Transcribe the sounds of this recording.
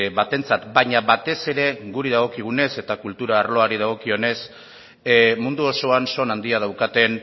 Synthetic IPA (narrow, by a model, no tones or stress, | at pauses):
βat̪e̞nt͡sat̪baɲaβat̪e̞se̞ɾe̞ɣuɾiðaɣ̞o̞kiɣ̞une̞se̞t̪akult̪uɾaːɾlo̞aɾið̞aɣ̞o̞kio̞ne̞s | mund̪uo̞so̞anso̞nand̪iað̞awkat̪e̞n